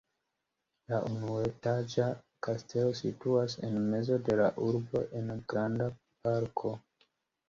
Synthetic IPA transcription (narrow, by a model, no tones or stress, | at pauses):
laʔunuetad͡ʒa | kastʰe̞lo̞situasenme̞zo̞de̞laʔuɾbo̞̰ʔe̞nɡɾanda | paɾkʰo̞